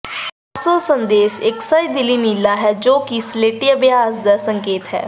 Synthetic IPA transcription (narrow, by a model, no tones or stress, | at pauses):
soːsənd̪eːʃɪksəɾid̪ɪliːnilːaːɦɛd͡ʒoːkisleːʈiəbjaːsd̪ɛːsəŋkeːt̪ɦɛ̰ː